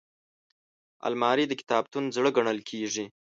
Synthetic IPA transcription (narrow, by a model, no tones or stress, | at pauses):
a̰lmɑɾid̪əkɪ̥t̪ɑb̚t̪unzɽəɡaɳəlkʰeʐi